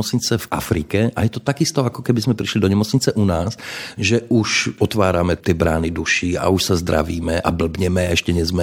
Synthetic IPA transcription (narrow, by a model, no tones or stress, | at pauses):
ɔt͡sɲit͡sɛva̰fɾiːkɛʔa̰jɛt̪ɔt̪aɡist̪ɔakɔkɛbizmɛpɾiʃlid̪ɔɲɛmɔt͡sɲit͡sɛʔunaːsʒɛʔuʃɔt̪ʋaːɾamɛt̪ɪɛbɾa̰ːnid̪uʃiːa̰uʃsazd̪ɾa̰ʋiːmɛʔa̰bl̩bɲɛmɛaɛʃcɛɲɛzmɛ